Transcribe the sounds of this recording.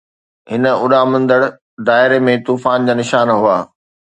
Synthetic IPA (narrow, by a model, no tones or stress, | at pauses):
ɦɪnə̆ʊɗamɐ̃nd̪əɽ | d̪aːɪɾemẽt̪uːfaːnd͡ʑaːnɪʃaːnɦuaː